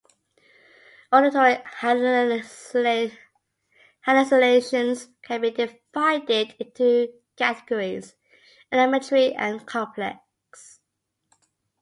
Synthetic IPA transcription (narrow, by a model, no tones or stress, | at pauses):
ɔɾɪtʰɔɹiha | hænəsəleɪʃə̃nz̥kʰə̃nbidɪvaɪdɪdɪ̃ntʰu | kʰætəɡ̥əɹiz | ənɪmətəɹiʔə̰̃nkʰɒ̃mpʰlɛ̰k | s